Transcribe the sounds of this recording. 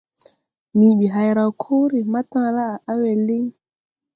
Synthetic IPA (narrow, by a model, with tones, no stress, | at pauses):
ni˨ɓi˨ɦa˨jɾa˨kʰo˦ɾi˨ma˦tã˦la˦˨a˦wɛ˨li˦ŋ